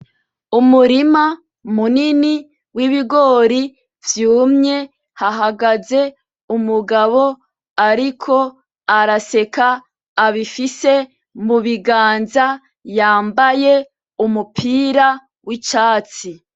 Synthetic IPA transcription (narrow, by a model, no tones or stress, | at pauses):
umuɾima | munini | wiβiɡo̞ːɾi | vjuːmɲe̞ | haɦaɡaze̞ | umuɡaβo̞ | aɾikʰo̞ | aɾase̞kaː | βifise̞ | muβiɡaːnza | jaːmbaje | umupʰiːɾa | wit͡ʃaːt͡si